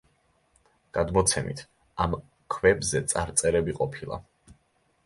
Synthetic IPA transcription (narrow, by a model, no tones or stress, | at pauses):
ɡ̥ad̪mɔt̪sʰɛmḭt̪ʰ | am | kʰvɛbzɛt̪sʼaɾt̪sʼɛɾɛbiqʼɔpʰilˠa̰